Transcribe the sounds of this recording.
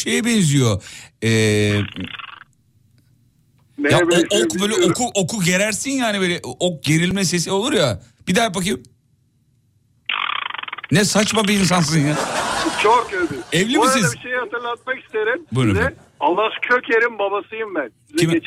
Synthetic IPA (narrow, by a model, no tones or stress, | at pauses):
ʃejibɛnzijoɛː | nejaboobøːlʲɛʔokʰuʔokʰuɟe̞ɾæɾsinjaːnibølʲɛʔok̚ɟe̞ɾilʲmɛs̬e̞s̬iolˠuɾja | b̥id̪aɾpak̬ɯm | nɛsat͡ʃmabiːns̬ans̬ɯnjat͡ʃʰokebiɛvlʲimisizbiʃejihat̪ʰɯɾlˠat̪̚maki̥st̪ʰeɾimbunɛ | alˠːahcʰøcʰeɾimbabasɯjɯmbænizim